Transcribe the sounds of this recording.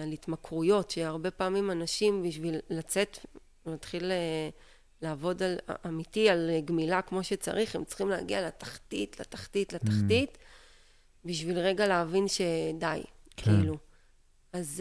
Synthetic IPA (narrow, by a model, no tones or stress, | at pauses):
alit̪makʁujo̞tʃeaʁbe̞paːmimanaʃimbiʃvilːat͡se̞t̪ | nat̪χile | laːvo̞dalamit̪ialɡmilakmo̞ʃet͡sa̰ʁiχemt͡sχimleaːɡialat̪ḁχtit̪lat̪ḁχtitlataχtit | biʃvilʁe̞ɡaleːvinʃe̞dajkiilu | az